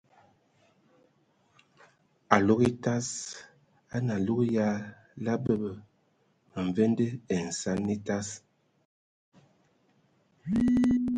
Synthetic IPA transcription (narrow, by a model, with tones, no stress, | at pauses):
a˨lo˦ɣi˦ta˦s | a˦na˨lu˦ɣja˦ | la˦bə˦bə˨ | mə˨ɱ˨ve˦ndə˦e˨n̩˨sa˦nni˦ta˦s